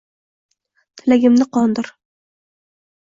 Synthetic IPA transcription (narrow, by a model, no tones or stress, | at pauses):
t̪ʰɪlaɡʲɪmnɪqʰɒnd̪ɪɾ